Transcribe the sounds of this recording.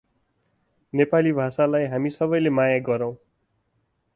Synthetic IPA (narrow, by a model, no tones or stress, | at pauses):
nepalibʱasalajɦamisʌbʌjlemajaɡʌɾʌw̃